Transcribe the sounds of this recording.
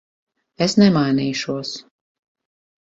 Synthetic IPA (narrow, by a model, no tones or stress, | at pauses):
esnɛmajniːʃuɔs